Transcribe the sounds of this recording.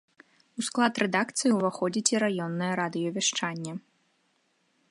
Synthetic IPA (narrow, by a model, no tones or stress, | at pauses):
usklˠat̪rɛd̪akt̪sɨjiwvaxɔd͡zʲit͡sʲiɾajɔnːɐjɐɾad̪ɨjɔvʲaʂt͡ʂanʲːɐ